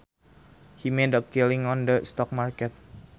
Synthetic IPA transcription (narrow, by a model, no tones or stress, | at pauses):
himẽdɔp̚kilɪ̃ŋɔndəst̪ɔk̚markɛt̪̚